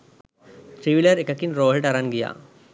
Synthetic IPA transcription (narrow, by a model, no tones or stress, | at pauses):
t̪ɾiʋilɐɾekːɐkːinɾoːɦʈɐɾɐnɡija̰ː